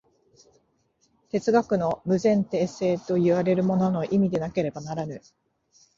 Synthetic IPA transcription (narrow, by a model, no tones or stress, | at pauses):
t̪e̞t͡sɨɡakɯ̟no̞mɯ̟zẽ̞nt̪e̞ːse̞ːt̪o̞jɯ̟βaɾe̞ɾɯ̟mo̞no̞no̞ʔimʲid̪e̞nake̞ɾe̞banaɾanɯ̟